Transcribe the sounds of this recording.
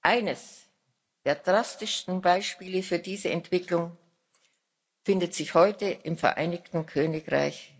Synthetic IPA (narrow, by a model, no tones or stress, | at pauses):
ʔaɪnəs | d̥eːɐdʁastɪstn̩baɪʃpiːləfyːɐdiːzəɛntv̥ɪklʊŋ | fɪndətz̥ɪçhɔʏtəʔɪmfɛɐʔa̰ɪnɪçtn̩kʰøːnɪkʁa̰ɪç